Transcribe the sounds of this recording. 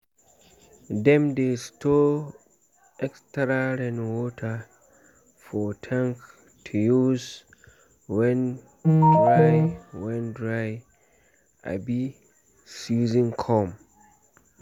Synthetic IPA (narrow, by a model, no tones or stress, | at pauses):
dɛ̃mdestʰo | ɛkstɾaɾɛ̃nwɔtʰa | fɔtʰãŋk | tʰujuz | wɛ̃n | dɹajwɛ̃ndɹaj | a̰bi | suzĩnkʰɔ̃m